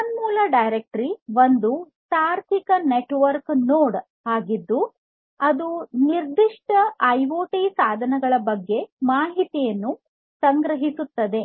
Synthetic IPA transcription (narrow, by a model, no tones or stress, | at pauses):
ɐnmuːlɐɖɐjɾek̚ʈɾiʋond̪u | t̪aːɾt̪ʰikɐneʈʋɐɾknoːɽ | aːɡid̪ːu | ɐd̪uniɾd̪iʂʈɐɐjʋoːʈisaːd̪ʱɐnɐɡɐɭɐbɐɡːe̞maːɦit̪ijɐnːu | sɐŋɡɾɐɦisut̪ːɐd̪e̞